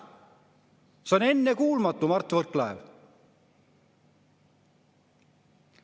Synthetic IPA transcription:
sone̞nːekuːlmɑt̪ːˑumɑrt̪ːˑvɤrklɑev

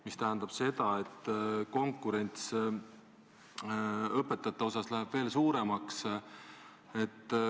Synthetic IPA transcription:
mist̪æɦænd̪̥ɑb̥se̞d̪ɑe̞t̪ːko̞ŋkːˑuɾe̞nʲt̪s | ɤpːˑe̞t̪ːˑɑt̪ːˑeo̞sɑslæɦeb̥ve̞ːlsuːɾe̞mɑks | e̞t̪ːˑ

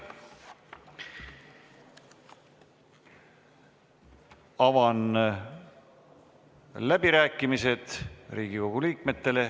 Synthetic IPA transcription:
ɑvɑn | læbiɾæːkːˑimise̞d̪̥riːɡiko̞ɡ̥uliːk̚me̞t̪ːe̞le̞

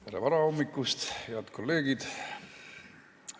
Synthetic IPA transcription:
hæɾḛvɑɾɑo̞mːikːˑust̪heɑt̪kʰo̞lːe̞ːɡid̪̥

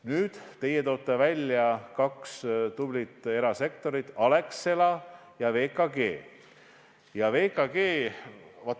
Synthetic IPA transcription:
nyːd̪̥t̪e̞jet̪o̞ːt̪ːˑevælʲjɑkɑkst̪ub̥lʲit̪ːˑe̞ɾɑse̞kt̪o̞ɾit̪ɑle̞kse̞lɑ | jɑve̞ːkɑɡe̞ː | jɑve̞ːkːˑɑɡ̥e̞ːvot̪ː

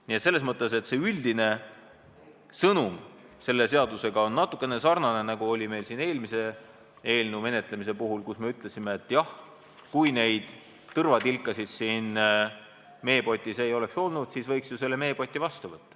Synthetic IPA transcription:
niet̪se̞lːe̞s̬mɤt̪ˑːe̞s̬e̞t̪se̞yld̪ine̞ | sɤnum | se̞lːe̞se̞ɑd̪̥use̞ɡ̥ɑo̞nːɑt̪ːˑukːˑe̞ne̞sɑrnɑne̞nɑɡ̥uo̞lʲime̞jlsine̞ːlmise̞ | e̞ːlnume̞ne̞t̪lemise̞puɦulkusmeyt̪ːˑle̞simeːt̪ːˑjɑh | kujne̞jd̪̥ː | ɤrvɑd̪ilkˑːɑsid̪̥siːn | me̞ːpo̞t̪ʲːˑiseːjo̞le̞kso̞lnud̪̥siːsvɤjksjuse̞lːe̞me̞ːpo̞t̪ʲˑːivɑst̪uvɤt̪ːɑ̥

